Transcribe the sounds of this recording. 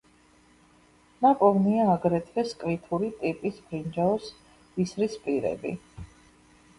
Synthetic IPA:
nakʼɔvniaːɡɾɛt̪ʰɛskʼvit̪ʰuɾit̪ʼipʼisb̥ɾind͡ʒaɔs | bisɾispʼiɾɛ̰bḭ

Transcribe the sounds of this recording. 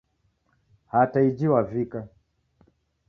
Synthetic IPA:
hataid͡ʒiwavika

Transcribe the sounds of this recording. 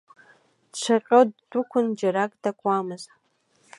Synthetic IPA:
dt͡ʃʷʰaqʲʼoddukʷʰʊnd͡ʒaɾakʼdakʷʼamɨz

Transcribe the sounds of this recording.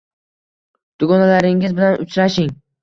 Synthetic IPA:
d̪̥ʊɡɒnalaɾɪŋɪzbɪlanʊt͡ʃɾaʃɪŋ

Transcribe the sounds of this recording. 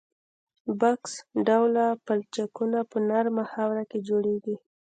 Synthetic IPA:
baksɖawlapalt͡ʃakunapənaɾmahawɾaked͡ʒoɽeɡi

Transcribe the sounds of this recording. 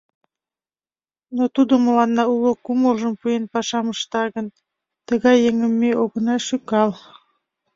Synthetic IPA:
not̪ud̪əmə̆lˠɑnːɑulˠəkumulˠʒəmpujenpɑʃɑməʃt̪ɑɣə̆n | t̪ə̆ɣɑjːeŋə̆mːeʔoɣə̆nɑʃykɑlˠ

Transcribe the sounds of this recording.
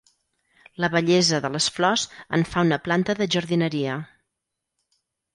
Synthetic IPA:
ləβəʎɛzəðələsflɔzə̰ɱfaunəplant̪əðəʒəɾðinəɾiə

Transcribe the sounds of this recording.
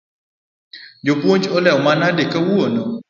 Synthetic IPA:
d͡ʒopwoɲt͡ʃɔlɛwmanadekawuono

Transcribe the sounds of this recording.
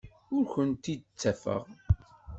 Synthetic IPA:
ʊɾçənt̪id̪t͡sːæfə̰ʁ

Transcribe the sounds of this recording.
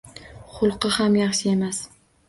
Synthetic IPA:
χʊlˠqɨhamjɑχʃɪe̞mas

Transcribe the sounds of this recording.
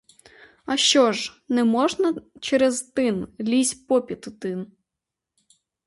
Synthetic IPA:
ɐʃt͡ʃɔʒnɛmɔʒnɐt͡ʃɛɾɛzt̪ɪnlʲisʲpɔpʲit̪ʊt̪ɪn

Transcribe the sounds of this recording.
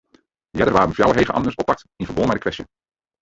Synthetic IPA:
dəjɛdərʋaːɾənfjawəɦejχənʔɑ̰ndəɹsɔpːɑk̚t | ɪnvəɹbɔlˠmɛdəkʋɛstjə̰

